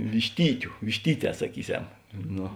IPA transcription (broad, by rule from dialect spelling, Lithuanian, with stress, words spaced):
ʋʲɪʃʲˈtʲiːtʲʊ ʋʲɪʃʲˈtʲiːˌtʲɛː sɐˈkʲiːˌsʲɛm ˈnoː